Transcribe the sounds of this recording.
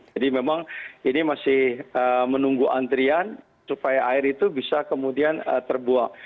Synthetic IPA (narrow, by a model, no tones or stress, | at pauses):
d͡ʒadimemaŋinimasɪhəmənuŋɡuʔa̰nt̪ɾian | supajaʔaɪɾit̪ubisakəmudianə̰t̪ərbuaŋ